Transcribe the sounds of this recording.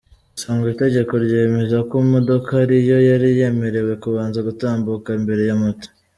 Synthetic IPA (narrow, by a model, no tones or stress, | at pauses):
saːŋɡite̞ɟe̞ko̞ɾɟame̞zakomo̞do̞kaɾijo̞jaɾije̞me̞ɾe̞we̞kuβaːnzaɡutaːmbukaimbe̞ɾe̞jamoto̥